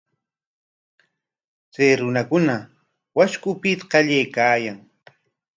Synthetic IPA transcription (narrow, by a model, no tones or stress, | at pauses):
t͡sajɾʊnakʊna | waʃkʊpɪt̪qɑʎajkaːjaŋ